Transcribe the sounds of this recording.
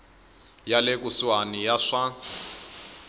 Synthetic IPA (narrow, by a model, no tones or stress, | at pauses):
jalek̬ʼuswanijaʂa